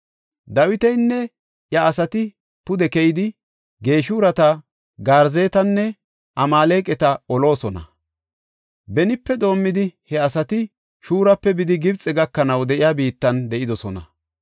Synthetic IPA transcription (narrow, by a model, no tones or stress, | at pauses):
d̪ɐwɪt̪ɛjnːɛ | jɐːsɐt̪ɪ | pʊd̪ɛkɛjɪd̪ɪ | ɡe̞ːʃuːɾɐt̪ɐ | ɡaːɾze̞ːt̪ɐnːɛ | ʔɐmaːle̞ːkʼɛt̪ɐɔlo̞ːsɔnɐ̰ | bɛnɪpːɛd̪o̞ːmːɪd̪ɪhɛɐsɐt̪ɪ | ʃuːɾɐpːɛbɪd̪ɪɡɪbt͡sʼɛɡɐkːɐnɐwd̪ɛʔɪjaːbiːt̪ːɐnd̪ɛʔɪd̪ɔsɔnɐ̰